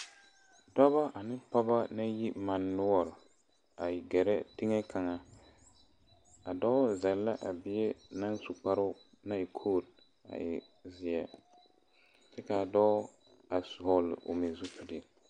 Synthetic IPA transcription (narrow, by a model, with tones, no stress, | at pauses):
dɔ˦βa˦ʔa˨nɪ˦pa˦ba˦na˦ji˦ma˨nːʊ˦ɔ˨ɾ | a˨jɪ˨ɡɛ˨ɾɛ˦ti˦ŋɛ˦kʰa˨ŋa˦ | a˨dɔ˦zɛ˨lːa˦ʔa˨bɪ˦e˦na˦nsu˨k͡pa˦ɾʊ˦ | na˦ɪ˨kʰoː˦˨d̚ | a̰˨jɪ̰˨ | zɪ˨ɛ˨ | tɛ˦ka˨dɔ˦ | a˨su˨hɔ˨lɪ̰˨ʔo̰˨mi˨zu˦pu˨di˨